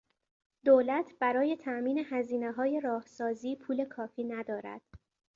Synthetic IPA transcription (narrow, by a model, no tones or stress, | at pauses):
d̪̥oːlæt̪ʰb̥æɾɒːje̞t̪ʰæʔmiːne̞hæziːneɦɒːje̞ɾɒːhsɒːziːpʰuːle̞kʰɒːfiːnæd̪ɒːɾæ̰d̪̥